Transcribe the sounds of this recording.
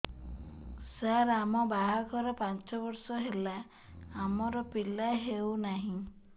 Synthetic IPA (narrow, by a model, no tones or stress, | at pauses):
saɾamɔbaɦaɡʰɔɾepant͡ʃɔbɔɾsɔɦela | amɔɾɔpilaɦewnaɦĩ